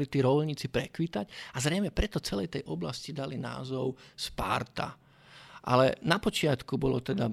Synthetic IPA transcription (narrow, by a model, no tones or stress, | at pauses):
lit̪iːɾɔlɲiːt͡sipɾɛkʋit̪aɟazɾɛjmɛpɾɛt̪ɔt͡sɛlɛjt̪ɛjʔɔblascid̪alina̰ːzɔʊspa̰ɾt̪a̰ | ʔa̰lɛnapɔt͡ʃɪat̪kubɔlɔt̪ɛd̪a